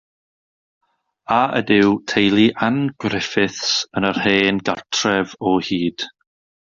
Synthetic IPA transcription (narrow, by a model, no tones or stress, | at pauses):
aʔə̰dɪwtʰejlˠiʔanɡ̥rɪfɪθsənərheːnɡartʰrɛvɔhiːd̥